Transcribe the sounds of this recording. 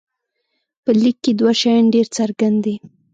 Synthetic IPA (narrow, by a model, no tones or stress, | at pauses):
pəlikːed̪waʃajanɖeɾt͡saɾɡand̪i